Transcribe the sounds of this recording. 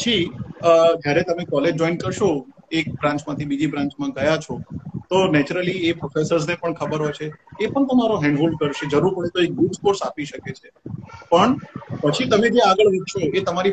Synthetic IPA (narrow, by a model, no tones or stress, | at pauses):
pt͡ʃʰiəd͡ʒjaɾet̪əmekɔled͡ʒd͡ʒɔinkəɾʃo | ek̚bɾãɲt͡ʃmãt̪ʰibid͡ʒibɾãɲt͡ʃmãɡəjat͡ʃʰot̪onɛt͡ʃuɾəliepɾofesəɾznepəɳkʰəbəɾɦojt͡ʃʰeepəɳt̪əmaɾoɦɛ̃ɳɖɦulkəɾʃed͡ʒəɾuɾpəɭet̪oek̚ɡuskoɾsapiʃəket͡ʃʰepəɳpət͡ʃʰit̪əmed͡ʒeaɡəɭʋɪt̪ʃʰoet̪əmaɾi